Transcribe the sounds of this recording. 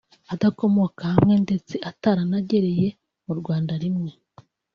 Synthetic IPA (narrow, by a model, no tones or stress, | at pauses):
adako̞mo̞kahamŋe̞nde̞t͡se̞ʔataɾanaɟe̞ɾeje̞ | muɾɡwaːndaɾimŋe̞